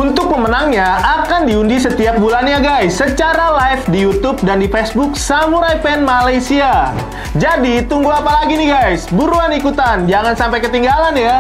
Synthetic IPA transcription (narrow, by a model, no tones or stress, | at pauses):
unt̪ʊk̚məmənaŋɲaakandiundisət̪iap̚bulanɲaɡajsːət͡ʃaɾalafdijut̪ʊp̚dandifɛsbʊksamuɾajpɛnmalajsia | d͡ʒadit̪uŋɡuapalaɡiniɡajsbuɾuanikut̪and͡ʒaŋansampajkət̪iŋɡalanja